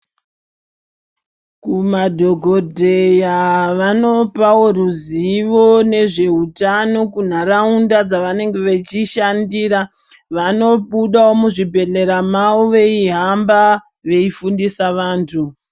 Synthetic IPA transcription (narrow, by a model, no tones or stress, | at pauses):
kumadʱo̞ɡʱodʱe̞jaʋano̞pawo̞ruziʋo̞ne̞ʐe̞ɦutano̞kun̤aɾaundad͡zaʋane̞ŋɡe̞ʋet͡ʃiʃandiːɾa | ʋano̞ɓuɗawo̞muʐibʱe̞le̞ɾamauʋe̞iɦamba | ʋe̞ifundisaʋaːntʰu